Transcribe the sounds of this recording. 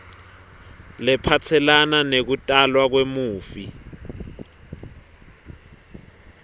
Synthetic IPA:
lɛpʰat͡sʰɛlananek̬utʼalwak̬wemuːfi

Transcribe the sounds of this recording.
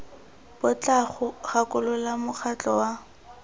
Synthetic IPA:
b̥ʊt͡ɬʼaχʊχakʼʊlʊlamʊk͡xʰat͡ɬʼɔwa

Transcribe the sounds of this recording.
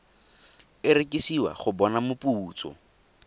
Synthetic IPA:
ɪɾɪkʼɪsiwa̰χʊbɔnamʊpuːt͡sɔ̰

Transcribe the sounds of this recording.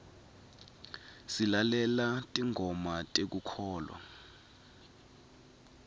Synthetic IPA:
silalɛlatʼiŋʱɔmatʼek̬ukʰɔːlwa̰

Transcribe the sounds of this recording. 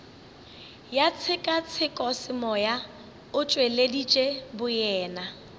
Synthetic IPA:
jat͡sʰɪkʼat͡sʰɪkʼɔsɪmɔja | ʊt͡ʃʼweledit͡ʃʼebʊjɛːna

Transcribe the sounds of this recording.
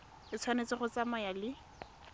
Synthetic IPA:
ɪt͡sʰwanet͡sɪχʊt͡samajalɪ

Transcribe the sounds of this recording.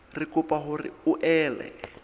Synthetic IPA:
rɪkʊpaɦʊrɪ̰ʊʔɛːlɛ̰

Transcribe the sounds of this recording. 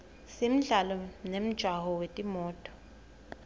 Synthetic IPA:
sim̩ɮalɔnem̩d̥ʒ̥ʱwaɦɔwetʼimɔːtʼɔ̥

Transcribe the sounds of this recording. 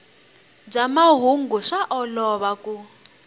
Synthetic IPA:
b͡ʐamaɦuŋɡuʂaʔɔlɔβaku

